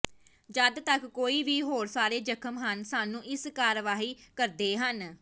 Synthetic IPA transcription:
d͡ʒəd̪t̪əkːoːiːʋiːɦoːɾsaːɾeːd͡ʒəkʰəmɦənsaːnũːʔɪskaːɾʋaːɦiːkəɾd̪eːɦən

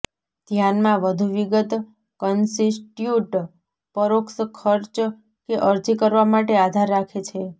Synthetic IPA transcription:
d̪ʱjanmãʋəd̪ʱuʋiɡət̪ | kənsiʈjuʈ | pəɾokskʰəɾt͡ʃ | keʔəɾd͡ʒikəɾʋamaʈead̪ʱaɾːakʰet͡ʃʰe

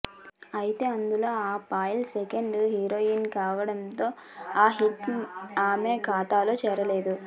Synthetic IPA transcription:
ɐjit̪e̞ːɐnd̪ulo̞ːaːpaːjlsekɐɳɖɦiːɾoːinkaːʋɐɽɐnt̪o̞ː | aːɦit̪aːmeːkaːt̪aːloːt͡ʃɛːɾɐle̞ːd̪u

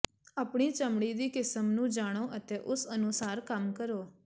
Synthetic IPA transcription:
aːpɳ̃iːt͡ʃəmɽid̪iːkɪsəmnũːd͡ʒaːɽ̃oʔət̪eʔʊsənʊsaːɾkamkəɾoː

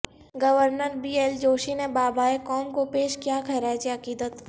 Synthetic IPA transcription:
ɡəʋəɾnəɾbiːeld͡ʒoːʃinebaːbʱaːekɔːmkopeːʃkijakʰɐɾaːt͡ʃeɐqiːd̪ət̪

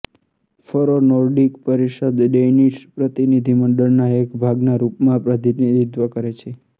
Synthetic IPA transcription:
fəɾonɔɾɖikpəɾiʃəd̪ɖeniʃpɾət̪inid̪ʱiməɳɖəɭnaekbʱaɡnaɾupmãpɾət̪inid̪ʱid̪ʋəkəɾet͡ʃʰe

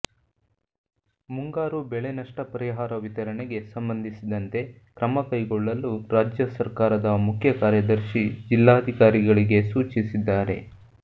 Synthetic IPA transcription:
muŋɡaːɾubɛɭenɐʂʈɐpɐɾiɦaːɾɐʋit̪ɐɾɐɳeɡe̞sɐmbɐnd̪ʱisid̪ɐnt̪e̞ | kɾɐmɐkɐjɡoɭːɐluɾaːd͡ʒjɐsɐɾkaːɾɐd̪ɐmukʰjɐkaːɾjɐd̪ɐɾʃid͡ʒilːaːɐd̪ʱikaːɾiɡɐɭiɡe̞suːt͡ʃisid̪ːaːɾe̞̰

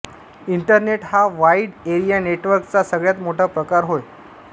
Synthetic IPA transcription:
iɳʈəɾneʈhaʋaiɽeɾijaneʈʋəɾkt͡sasəɡɭjat̪moʈʰapɾəkaɾɦoj

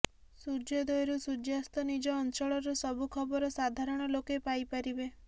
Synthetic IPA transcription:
suɾd͡ʒɔd̪ojɾusud͡ʒjast̪ɔnid͡ʒɔːnt͡ʃɔɭɔɾɔsɔbʱukʰɔbɔɾɔsad̪ʱaɾɔɽ̃ɔlokepajpaɾibe

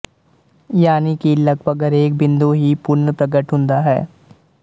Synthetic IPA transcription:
jaːnikilɐɡbəɡəɾeːk̚bɪ̃nd̪uɦipʊɾnəpɾəɡəʈɦʊ̃ːnd̪aɦɛ̰ː

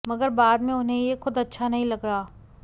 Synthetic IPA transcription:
mɐɡəɾbaːd̪mẽʊnɦẽjexʊd̪ɐtːʃʰanɐɦĩlɐɡɽaː

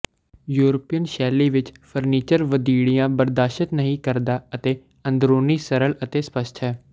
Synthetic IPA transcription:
juːɾəpijənʃɛːliːʋɪt͡ʃpʰəɾniːt͡ʃəɾʋəd̪iːɽijãːbəɾd̪aːʃɪt̪nəɦĩːkəɾd̪aːət̪eː | ə̃nd̪ɾoːniːsəɾələt̪eːspəʃʈ̪ʰɦɛː

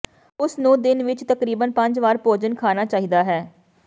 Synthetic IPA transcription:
ʊsnũːd̪ɪnʋɪt͡ʃt̪əkɾiːbənpə̃ɲd͡ʒʋaːɾpoːd͡ʒənkʰaːnaːt͡ʃaːɦiːd̪aːɦɛː

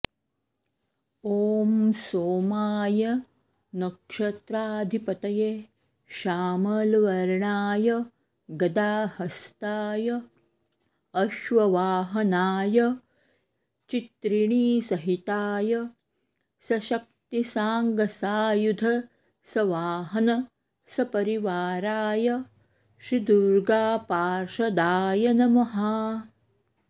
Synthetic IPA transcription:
oːmsoːmaːjɐ | nɐkʂɐt̪ɾaːd̪ʱipɐt̪ɐjeː | ʃaːmɐlʋɐɾɳaːjɐ | ɡɐd̪aːhɐst̪aːjɐ | ʃʋɐʋaːɦɐnaːjɐ | t͡ʃit̪ɾiɳiːsɐɦit̪aːjɐ | sɐʃɐk̚t̪isaːŋɡɐsaːjud̪ʱɐ | sɐʋaːɦɐnɐ | sɐpɐɾiʋaːɾaːjɐ | ʃɾid̪uɾɡaːpaːɾʃɐd̪aːjɐnɐmɐɦaː

